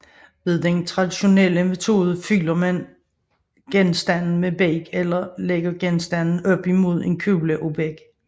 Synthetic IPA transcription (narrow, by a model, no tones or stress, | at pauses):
ʋe̝ðˠd̥ent͡sʰʁɑ̈d̥iɕo̝neləme̝t͡sʰo̝̰ːð̞ˠəfylɐmæn | ɡ̥ensd̥ænn̩meb̥eɡ̥elɐleɡ̥ɐɡ̥ensd̥ænn̩ɒ̽b̥imo̝ð̞̰ˠe̝nkʰyləʔo̝b̥eɡ̥